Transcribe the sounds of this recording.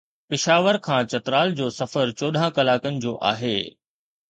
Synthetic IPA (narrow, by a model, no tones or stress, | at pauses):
pɪʃaːʋəɾkʰãːt͡ɕɐt̪ɾaːld͡ʑoːsɐfəɾt͡ɕoːɗʱãkɐlaːkənɪ̆d͡ʑoːʔa̰ːɦeː